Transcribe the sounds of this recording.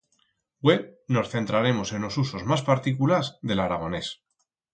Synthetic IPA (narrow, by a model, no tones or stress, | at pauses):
weβno̞sθe̞nt̪ɾaɾe̞mo̞se̞nlo̞suso̞zmaspaɾt̪ikulazðe̞laɾaɣ̞o̞ne̞s